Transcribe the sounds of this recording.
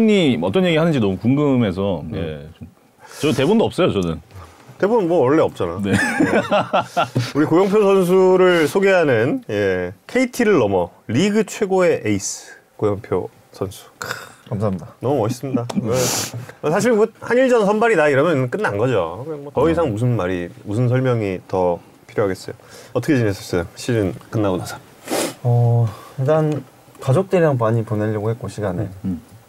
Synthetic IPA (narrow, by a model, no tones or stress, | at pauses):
ɲiʌt͈ʌnɲje̞ɡiɭhanɯnɲd͡ʑinʌmukuŋɡɯme̞s̬ʰʌje̞̰t͡ɕom | t͡ɕʌtebondoʌp̚s͈ʌjot͡ɕʌnɯn | te̞bomwʌʌɭːe̞ʌp̚t͡ɕ͈ana̰ne | uɾikojʌŋpʰjosʰʌns̬ʰuɾɯɭsʰoɡe̞ɦanɯnje̞kʰe̞itʰiɾɯɭːʌmʌliɡɯt͡ɕʰwe̞ɡoe̞ʔeisɯ̥ | kojʌŋpʰjo̰ | sʰʌnsʰu̥kkamsʰamɲidanʌmumʌɕʰis͈ɯmɲidaesʰaɕ̬ʰiɭmʌhaniɭd͡ʑʌnsʰʌnbaɾidaiɾʌmjʌnk͈ɯnːanɡʌd͡ʑo̰ɯemwʌtʌis̬ʰaŋmus̬ʰɯnmaɾimus̬ʰɯns̬ʰʌɭmjʌŋitʌ | pʰiɾjoɦaɡe̞s͈ʌjoʌt͈ʰʌkʰet͡ɕines͈ʌs͈ʌjoɕʰiɾɯnk͈ɯnːaɡonasʰḁ | ʌentan | kad͡ʑok̚t͈ɯɾiɾaŋpaɲipone̞ʎjʌɡohet̚k͈oɕʰiɡanḛ